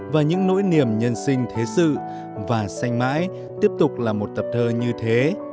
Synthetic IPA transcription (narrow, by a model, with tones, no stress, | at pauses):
vaː˨˩ɲɨ̰˧˥ŋno̰˧˥jni˨˩əmɲə˧nsï˧ŋ̟t̪ʰe˨˦sɨ̰˧˨ | vaː˨˩sa˧jŋ̟ma̰ː˧˥j | t̪i˦˥əp̚t̪ʊ˨˩k͡p̚laː˨˩mo˨˩t̚t̪ə˨˩p̚t̪ʰəː˧ɲɨ˧t̪ʰe˨˦